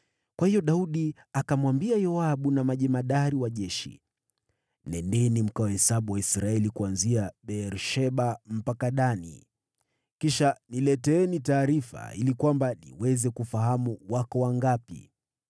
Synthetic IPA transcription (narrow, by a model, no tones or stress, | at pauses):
kwahijɔɗauɗi | akamwambiajɔaɓunamaʄɛmaɗaɾiwaʄɛʃḭ | nɛndɛnim̩kaɔhɛsaɓuwaisɾaɛlikuanziaɓɛɾʃɛɓam̩pakaɗanḭ | kiʃanilɛtɛɛnitaːɾifa̰ilikwambanḭwɛzɛkufaɦamuwakɔwaŋɡapḭ